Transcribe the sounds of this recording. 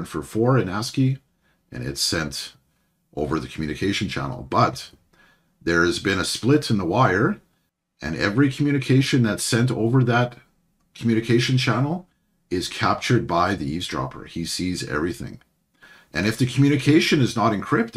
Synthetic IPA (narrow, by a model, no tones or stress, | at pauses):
nfə˞fɔɹɨ̃næski | ʔɨ̰̃nɪ̰tsɛ̃nt | ʔoʊvə˞ðɨkʰm̩jʉñɨkʰeɪʃɨ̃n̩t͡ʃʰæ̰nl̩ˠbʌt̪̚ | ðə˞ɨzbɨ̃nɨsplɪɾɨ̃nðəwaɪə˞ | ʔɨ̰̃nɛ̰vɹikʰm̩jʉñɨkʰeɪʃɨ̃nðɨtsɛ̃nto̰ʊvə˞ðɨt̚ | kʰmjʉnɨkʰeɪʃɨ̃nt͡ʃʰænl̩ˠ | ɪz̥kʰæp̚t͡ʃə˞d̚baɪðiisdɹɑ̰pʰə̰˞isizɛ̰vɹiθɪ̰̃ŋ | ʔɨ̃ñɨfðɨkʰm̩jʉñɨkʰeɪʃɨ̃nɨznəɾɨ̃nkʰɹ̥ɪp̚t